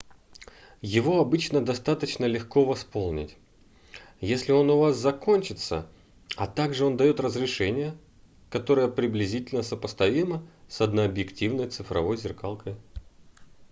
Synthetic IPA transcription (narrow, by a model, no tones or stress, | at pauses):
jɪvo̞ɐbɨt͡ɕnəd̪ɐst̪at̪ət͡ɕnəlʲɪxko̞vɐspo̞lˠnʲɪ̰tʲ | jesʲlʲɪo̞nʊvaszɐko̞nʲt͡ɕɪt̪sə̰ | ɐt̪aɡʐɨo̞nd̪ɐjo̞t̪rəzɾʲɪʂɛnʲɪjə | kɐt̪o̞ɾəjəpɾʲɪblʲɪzʲitʲɪlʲnəsəpəst̪ɐvʲiməsɐd̪nəɐbjɪktʲivnəjt̪sɨfɾɐ̰vo̞jzʲɪrkalˠkəj